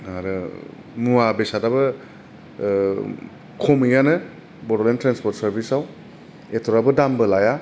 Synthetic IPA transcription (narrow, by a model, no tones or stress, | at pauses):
aɾɯ | muabesadabɯ | kʰomɯjanɯ | bɔɾolentɾanspɔɾt̚sɐɾbisaw | etʰɔɾabɯdambɯlaja